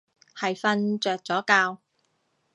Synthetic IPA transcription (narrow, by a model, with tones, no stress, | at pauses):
hɐ˨jfɐ˧nt͡ʃœː˨k̚t͡sɔː˨˥kaː˧w